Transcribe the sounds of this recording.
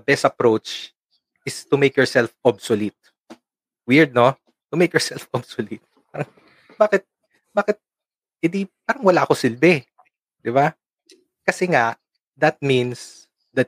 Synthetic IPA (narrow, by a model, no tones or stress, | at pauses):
bɛst̪ɐpɾowt͡ʃ | ʔɪst̪ʊmejkjɔɹsɛlfɔbsolɪt̪̚ | wiɹd̪̚no | t̪ʊmejkjɔɹsɛlfʔɔbsolɪt̪̚ | paːɾɐŋ | baːkɪt̪̚ | baːkɪt̪̚ | hɪd̪ipaːɾɐŋwɐlaʔɐkosɪlbɛ | d̪ɪba | kɐsɛŋaʔ | d̪ɐt̪̚mĩns | d̪ɐt̪̚